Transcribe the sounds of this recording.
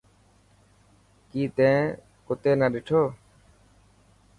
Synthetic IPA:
kiːt̪ẽː | kʊt̪eːnaɗɪʈʰoː

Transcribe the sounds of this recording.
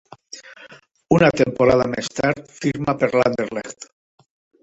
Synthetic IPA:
unat̪empoɾað̞a̰mest̪aɾt̪fiɾmapeɾla̰nd̪eɾlext̪

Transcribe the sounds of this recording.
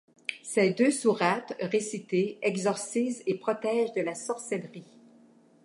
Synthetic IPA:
sɛd̪øsuʁat̪ʁesit̪eɛɡzɔʁsizepχɔt̪ɛːʒd̪əlasɔʁsɛlʁi

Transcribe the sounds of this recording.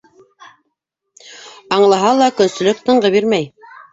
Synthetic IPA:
ɑɴlˠɑɦɑlˠɑkɵ̆nsɵ̆lɵkt̪ɤ̆ɴɢɤβiɾmæj

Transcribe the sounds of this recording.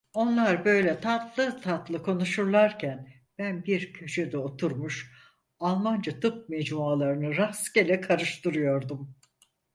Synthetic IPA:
o̞nlˠaɾbø̞jlʲɛt̪ʰat̪lˠɯt̪ʰat̪lˠɯkʰo̞nuʃuɾlˠaɾcʰæn | b̥ænbiɾcʰøʃød̪ɛo̞t̪ʰuɾmuʃ | alˠmand͡ʒat̪ʰɯp̚mɛd͡ʒmualˠaɾɯnɯɾascelʲɛkʰaɾɯʃt̪ɯɾɯjo̞ɾd̪um

